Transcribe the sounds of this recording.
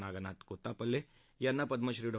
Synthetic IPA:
naːɡɐnaːt̪koːt̪ːapɐlːe | jɐnːapɐd̪mɐʃɾiɖɐ

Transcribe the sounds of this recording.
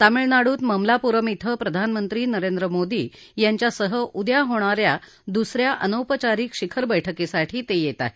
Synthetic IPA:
t̪amiɭnaɽuːt̪məmlapuɾəmit̪ʰəpɾəd̪ʱanmənt̪ɾiːnəɾend̪ɾəmod̪iː | jaɲt͡ɕjasəɦəʔud̪jaɦoɽ̃aɾja | d̪usɾjaʔə̰nəwpət͡ɕaɾiːkʂikʰəɾbəjʈʰəkesaʈʰiːt̪ejet̪a̰ɦe

